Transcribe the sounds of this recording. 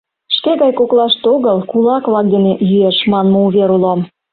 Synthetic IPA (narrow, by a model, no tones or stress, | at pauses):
ʃkeɣɑjkoklɑʃt̪oɣəlkulɑkβlɑk̚d̪enejyeʃmɑnmŏuβeɾulom